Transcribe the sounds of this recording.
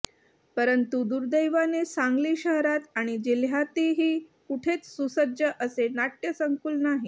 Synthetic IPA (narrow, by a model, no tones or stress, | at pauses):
pəɾənt̪ud̪uɾd̪əjʋanesaŋɡliːɕəɦɾat̪aɽ̃id͡ʑilɦjat̪iɦiːkuʈʰet͡ssusəd͡ʑjəʔəsenaʈjəsəŋkuːlnaɦi